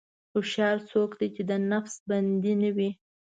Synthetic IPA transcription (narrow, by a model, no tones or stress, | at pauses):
xʊʃɑɾsokd̪ejt͡ʃed̪ənafsband̪inawi